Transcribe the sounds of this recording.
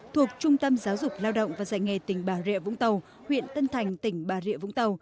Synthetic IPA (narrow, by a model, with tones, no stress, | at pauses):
t̪ʰu˨˩ək̚t͡ɕʊ˧ŋ͡mt̪ə˧mzaː˨˦wzʊ˨˩k͡p̚laː˧wɗo̰˧˨wŋ͡mvaː˨˩za̰ː˧˨jŋe˨˩t̪ï˧˩ŋ̟ɓaː˧˩zḭ˧˨vʊ̰˧˥ŋ͡mt̪ə˨˩w | hwḭ˧˨ənt̪ə˧nt̪ʰa˨˩jŋ̟t̪ï˧˩ŋ̟ɓaː˨˩zḭ˧˨əvʊ̰˧˥ŋ͡mt̪ə˨˩w